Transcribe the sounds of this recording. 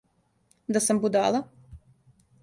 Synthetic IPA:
d̪asambud̪a̰ːlˠa

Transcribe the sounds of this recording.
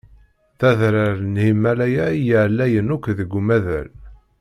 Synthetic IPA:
θæðɾaɾnhimːælæjæijəʕlːæjənukʷðəɡʷːumæðæ̰l

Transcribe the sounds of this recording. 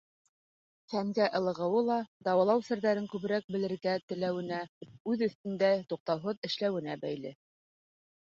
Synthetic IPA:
θæmɡæʔɤ̆lˠɤ̆ʁɤ̆wɤlˠɑd̪ɑwɑ̆lˠɑwsɘ̆ɾðæɾɘŋkʉβ̆ɾæk̚bɘ̆lɘ̆ɾɡæt̪ɘ̆læwɘ̆næʉðɵ̆θt̪ɘ̆nd̪æt̪uq̚t̪ɑwɦoðɘ̆ʃlæwɘ̆næbæjlɘ

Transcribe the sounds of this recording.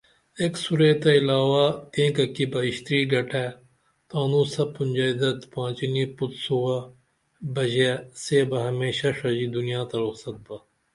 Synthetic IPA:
eːksuɾeːt̪aɪlaːʋak̪ẽːkɐkibɐɪʃt̪ɾiːɖɐʈʰɛː | t̪aːnũːsɐpːʊnʲd͡ʒaːɪd̪ɐt̪pãːt͡ʃinipʊt̪suwa | bɐʒeseːbɐɦɐmeːʃaʂɐd͡ʒid̪ʊnijãːt̪ɐɾʊksɐt̪̚baː

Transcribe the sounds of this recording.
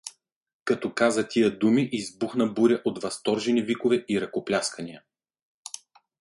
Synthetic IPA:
kɐt̪ɔkazət̪ʲʰijəd̪umiʔizbuxnɐbuɾʲəʔot̪vɐst̪ɔɾʒɛnivikovɛʔiɾɐkoplʲaskɐnijə

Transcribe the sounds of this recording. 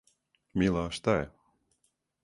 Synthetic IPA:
milˠaːʃt̪aj

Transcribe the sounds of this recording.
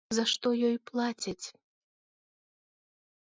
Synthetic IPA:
zɐʂt̪ɔjɔjplˠat͡sʲit͡sʲ

